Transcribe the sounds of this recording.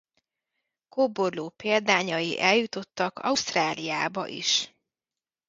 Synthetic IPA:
koːborloːpeːld̪aːɲɒjḭʔɛljut̪o̞t̪ːɒkɒ̰ust̪raːlijaːbɒ̰ʔḭʃ

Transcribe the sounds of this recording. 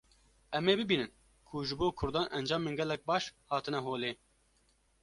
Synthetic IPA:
ʔɛmeːbɨbiːnɨn | kʰuʒɨboːkʰʊɾd̪ɑːnʔɛnd͡ʒɑːmeːnɡɛlːɛk̚bɑːʃhɑːt̪ɨnɛɦoːleː

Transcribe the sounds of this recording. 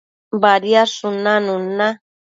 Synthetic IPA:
baɾjaʂʊnanuna

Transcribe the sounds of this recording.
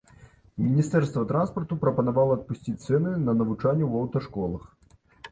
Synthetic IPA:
mʲinʲist̪ɛrst̪vɐt̪ɾanspɐrt̪upɾɐpɐnavalˠɐɐt̪̚pusʲt͡sʲit̪sɛnɨnɐnɐvut͡ʂanʲːuwɐwt̪ɐʂkɔlˠɐx

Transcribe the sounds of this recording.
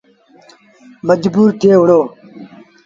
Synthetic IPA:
məd͡ʒbuːɾt̪ʰeːʋʊɽoː

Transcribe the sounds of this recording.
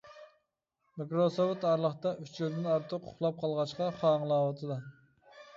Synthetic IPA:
mɪkɾosowɨt̪ɑɾlˠəχt̪ɑʔyt͡ʃʰild̪ɪnɑɾt̪ʰəqʰʊ̥χlˠɑp̚qʰɑlˠʁɑʃqɑχɑːŋlˠɑːwɑt̪ʰɨd̪ɑ

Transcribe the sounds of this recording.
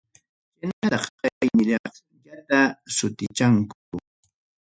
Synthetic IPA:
kɪnaɾɑχqɑajmɪʎɑχ | jat̪asʊt̪ɪt͡ʃaŋk | ʊ

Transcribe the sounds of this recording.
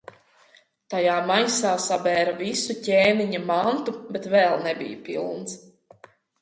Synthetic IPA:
t̪ajaːmajsaːsabɛːɾavisucʲeːniɲamant̪ubet̪vɛlˠnɛbʲḭjpḭlˠns

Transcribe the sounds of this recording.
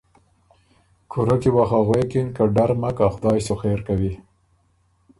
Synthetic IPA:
kʰʊɾakiwaxaɣwekɪnkaɖaɾmakaxʊd̪ɑjsoxeɾkawi

